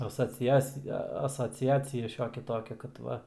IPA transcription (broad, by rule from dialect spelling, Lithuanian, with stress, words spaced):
ɐsoːˈt͡sʲæːt͡sʲɪjɛ ɐsoːˈt͡sʲæːt͡sʲɪjɛ ˈʃʲoːkʲɛ ˈtoːkʲɛ kɐt ˈʋɐ